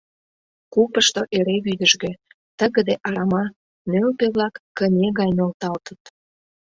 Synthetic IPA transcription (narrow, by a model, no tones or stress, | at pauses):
kupəʃt̪oʔeɾeβyd̪əʒɣø̆ | t̪əɣə̆d̪eʔɑɾɑmɑ | nølpeβlɑkːənʲeɣɑjnʲolt̪ɑlt̪ət̪